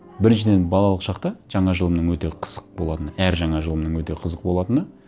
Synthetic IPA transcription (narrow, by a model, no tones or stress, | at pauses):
bɪɾɪnʃɪd̪e̞nbɑlˠɑlˠəqʃɑqt̪ɑʒ̥ɑɴɑʒəlˠəmnəɴwɵt̪e̞qʰə̥z̥əq̚bo̞lˠɑt̪ənəæɾʒɑɴɑʒəlˠəmnəɴwɵt̪e̞qʰəzəq̚bo̞lˠɑt̪ənə